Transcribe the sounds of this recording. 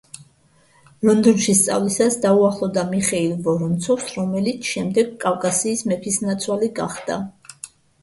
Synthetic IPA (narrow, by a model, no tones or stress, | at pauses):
lɔnd̪ɔnʃist̪sʼa̰vlisasd̪auaχlˠɔvd̪amiχɛilˠvɔɾunt̪sʰɔfsɾɔmɛlit̪sʰʃɛmd̪ɛɡkʼavkʼasiːsmɛpʰisnat̪sʰwaliɡa̰χd̪̥a̰